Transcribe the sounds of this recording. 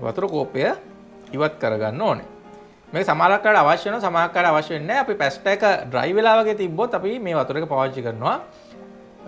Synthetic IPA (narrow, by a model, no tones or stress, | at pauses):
ʋa̰t̪uɾəkoːpejə | iʋat̪kəɾɐɡa̰nːoːnḛ | meːkəsamaːlakːaːɖəaʋaʃjɐʋenoʋasamaːlakːaːɖəaʋaʃjɐʋenːɛːɐpipæsʈaːkəɖɾa̰jʋelaːʋɐɡeːt̪ibːot̪ːapimeːʋat̪uɾekəpaːʋɐt͡ʃikəɾnːuʋa